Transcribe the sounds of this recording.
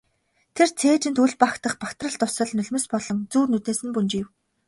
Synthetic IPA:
t̪ʰert͡sʰeːt͡ɕɪ̆nt̪uɮpakt̪ə̆χpakt̪rə̆ɮt̪ʊsə̆ɮnɵɮmɘ̆spɔɮɞ̆ŋt͡suːrnut̪eːsɘ̆npunt͡ɕiw

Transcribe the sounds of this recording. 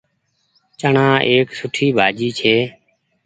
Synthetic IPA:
t͡ʃəɳãːʔeːksʊʈʰiːbʱaːd͡ʒiːt͡ʃʰeː

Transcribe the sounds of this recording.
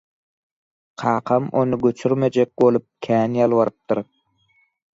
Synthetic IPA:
qʰɑːqʰɑmo̞̰nɯɡøt͡ʃʰyɾmed͡ʒek̚bolˠup̚kʲʰæːnjɑlˠβɑɾɯp̚t̪ɯɾ

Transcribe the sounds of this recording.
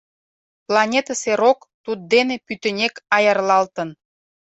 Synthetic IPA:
plɑnʲet̪ɑseɾok | t̪ud̪̚d̪enepyt̪ə̆nʲekɑjərlɑlt̪ən

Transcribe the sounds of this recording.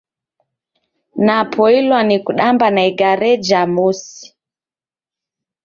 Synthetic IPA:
napʰɔilwanikuɗambanaiɡaɾɛd͡ʒamusi̥

